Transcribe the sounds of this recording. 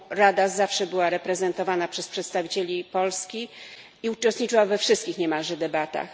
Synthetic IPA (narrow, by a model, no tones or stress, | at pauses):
ɾad̪azafʂɛbɘwaɾɛpɾɛzɛnt̪ɔvanapʂɛspʂɛt̪st̪avʲit͡ɕelʲipɔlskʲi | iut͡ʂɛst̪ɲit͡ʂɘwavɛfʂɘst̪̚kʲixɲɛmaʐɛd̪ɛbat̪a̰x